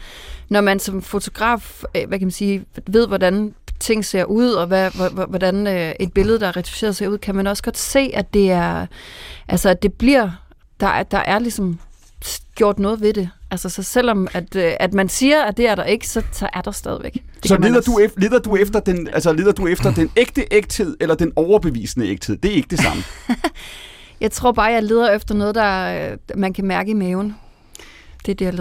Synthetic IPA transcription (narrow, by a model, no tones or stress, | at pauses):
nɒmænsɒ̽mfo̝t͡sʰo̝ɡ̥ʁɑ̰̈ːfʋækʰæmænsiːʋe̝ð̞̰ˠʋɒdænt͡sʰe̝ŋ̰se̝ɐ̰ʔuð̰ˠɒ̽ʋæʋɒdænøe̝d̥̚b̥e̝ləð̩ˠdɑæɐʁɑt͡sʰi̥fse̝ːɐðˠseɐuð̰ˠkʰæmænɒ̽səɡ̥ɒ̽d̥se̝̰ːʔæd̥e̝æɐ | ʔælsɐæd̥e̝b̥liɐ̰ | d̥ɑ̈d̥ɑ̈ʔæɐlisɒ̽m | sɡ̥jo̝ɐ̰d̥nɔ̽ːð̩ˠʋe̝d̥e̝ʔælsəsɒ̽sel̰ɒ̽mæd̥ʔæd̥mænsiːɐæd̥e̝æɐɾɑe̝ɡ̥ə̥sɒ̽sɒ̽ʔæɐd̥ɑ̈sd̥ɛːð̞ˠʋeɡ̥de̥sɒæleðˠɐd̥uele̝ðˠɐd̥uefd̥ɐd̥enælsəle̝ð̞ˠɐd̥uefd̥ɐd̥eneɡ̥̚d̥əʔeɡ̥d̥he̝ð̞̰ˠelɐd̥enɒʊɐb̥eʋḭːsənəeɡ̥d̥he̝ð̰ˠd̥e̝æɐe̝ɡ̥əd̥esɑ̈mə | jɑ̈ɪt͡sʰʁo̝ɐ̰b̥ɑ̈ːjɑ̈ɪle̝ːð̞ˠɐefd̥ɐnɔ̽ːð̞ˠd̥ɑ̈mænkʰæmæɐɡ̥əimɛːʊn | d̥e̝d̥eja